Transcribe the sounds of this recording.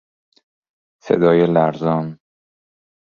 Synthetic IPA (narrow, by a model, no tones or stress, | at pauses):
sḛd̪ɒːjelæɾzɒːn